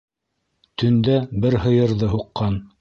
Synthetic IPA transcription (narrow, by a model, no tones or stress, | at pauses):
t̪ɵ̆nd̪æbɘɾhɤ̆jɤ̆ɾðɤɦuqːɑn